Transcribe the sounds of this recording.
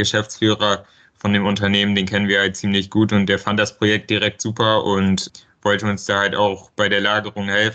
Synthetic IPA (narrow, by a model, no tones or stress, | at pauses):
ɡ̥əʃɛft͡sfyːʁɐ | fɔndeːmʊntɐneːməndeːnkʰɛnənviːɐhalt̚t͡siːmlɪçɡ̥uːtʊnt̚d̥eːɐfant̚d̥aspʁ̥ojɛk̚t̚d̥iʁɛk̚tz̥uːpɐʔʊnt | v̥ɔltəʊnsd̥aːhaltaʊxb̥aɪdeːɐlaːɡəʁʊŋhɛlfn̩